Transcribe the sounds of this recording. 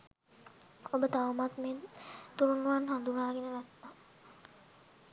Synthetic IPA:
obət̪aʋmat̪ment̪uɾunuʋanɦand̪unaːɡenəɾɛt̪na

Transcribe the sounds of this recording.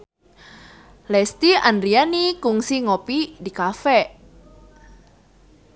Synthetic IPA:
lɛst̪iandɾianikʊŋsiŋopidikafɛ

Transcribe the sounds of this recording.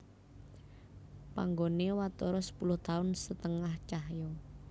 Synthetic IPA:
pa̰ŋɡonewat̪ɔɾɔsə̥pulʊht̪aʊnsət̪əŋaht͡ʃaɦjɔ

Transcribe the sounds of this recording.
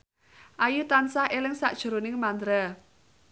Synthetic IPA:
ʔajut̪ansahelɪŋsa̰ʔd̥ʒ̥ṳɾonɪŋmand̪ɾa

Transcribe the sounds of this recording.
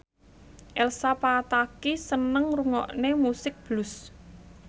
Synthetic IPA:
ʔɛlsapat̪akisənəŋruŋɔ̰ʔnemusɪk̚b̥lʊs

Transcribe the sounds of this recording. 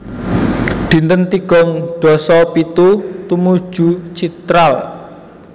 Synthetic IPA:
d̪̥i̤nt̪ənt̪iɡ̥ɔ̤ŋd̪̥ɔ̤sɔpit̪ut̪umud̥ʒ̥ṳt͡ʃit̪ɾal

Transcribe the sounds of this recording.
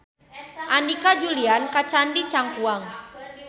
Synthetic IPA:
ʔandikad͡ʒuliankat͡ʃandit͡ʃaŋkuaŋ

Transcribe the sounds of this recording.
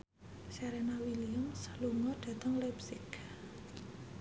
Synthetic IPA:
saɾɛnawiliʊmsluŋɔɖ̥a̤t̪əŋlɛpsɪk

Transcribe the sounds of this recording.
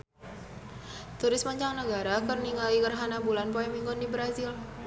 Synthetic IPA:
t̪uɾɪsmaɲt͡ʃaŋnəɡaɾakərniŋɡaikərɦanabulanpoɛmiŋɡʊndibɾazɪl

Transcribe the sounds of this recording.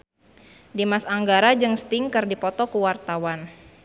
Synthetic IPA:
dimasaŋɡaɾad͡ʒɨŋst̪ɪŋkɨrdipɔt̪ɔkuwart̪awan

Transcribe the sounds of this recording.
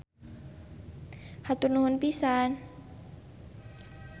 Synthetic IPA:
hat̪urnuɦʊnpisan

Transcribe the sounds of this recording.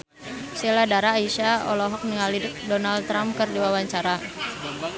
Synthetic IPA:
seladaɾaːiʃaɔ̰lɔɦɔk̚niŋalidɔnald̚t̪ːɾamkɨrdiwawaɲt͡ʃaɾa

